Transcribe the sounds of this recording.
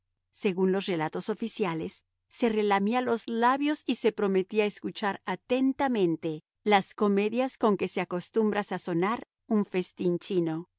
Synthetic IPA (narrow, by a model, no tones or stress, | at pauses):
se̞ɣunlo̞sre̞lat̪oso̞fisjalesː | e̞re̞lamialo̞zlaβjosise̞pɾo̞me̞t̪iaeskut͡ʃaɾat̪e̞nt̪amẽ̞nt̪e̞ | lasko̞me̞ðjasko̞ŋke̞se̞ako̞st̪umbɾasaso̞naɾ | uɱfe̞st̪int͡ʃino̞